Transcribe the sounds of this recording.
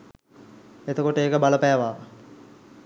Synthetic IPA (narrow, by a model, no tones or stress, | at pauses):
et̪əkoʈəeːkəbaləpæːʋaː